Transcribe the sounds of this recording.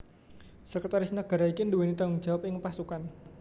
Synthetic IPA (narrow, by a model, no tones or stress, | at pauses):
səkət̪aɾɪsnəɡ̥a̤ɾaikinduwenit̪auŋ̥d͡ʒ̥awap̚ɪŋpasukan